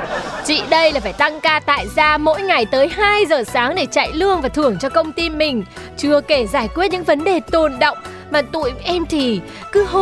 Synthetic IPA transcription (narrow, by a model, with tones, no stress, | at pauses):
t͡ɕḭ˧˨ɗə˧jlaː˨˩faː˧˩jt̪a˧ŋkaː˧t̪a̰ː˧˨jzaː˧mo̰˧˥jŋa˨˩jt̪əː˨˦jɦaː˧jzəː˨˩saː˨˦ŋɗe˧˩t͡ɕa̰ː˧˨jlɨ˧əŋvaː˨˩t̪ʰɨ˧˩əŋt͡ɕɔ˧kə˧wŋ͡mt̪i˧mï˨˩ŋ̟t͡ɕɨ˧əke˧˩zaː˧˩jkwi˦˥t̚ɲɨ̰˧˥ŋvə˨˦nɗe˨˩t̪o˨˩nɗə̰˧˨wŋ͡m | maː˨˩t̪ṵ˧˨jʔɛ˧mt̪ʰi˨˩ | kɨ˨˦ɦ